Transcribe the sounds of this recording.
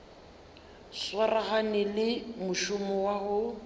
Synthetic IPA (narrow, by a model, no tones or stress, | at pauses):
swaraɣanɪlɪmʊʃʊmɔwaɣʊ